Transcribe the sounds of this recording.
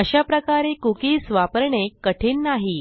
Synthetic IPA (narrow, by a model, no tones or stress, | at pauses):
əɕapɾəkaɾekukiːsʋapəɾɳekəʈʰiːnnaɦi